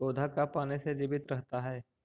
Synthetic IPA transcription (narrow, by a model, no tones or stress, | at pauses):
oːd̪ʱakapaːnesed͡ʒɪbɪt̪ɾəɦt̪aɦɛː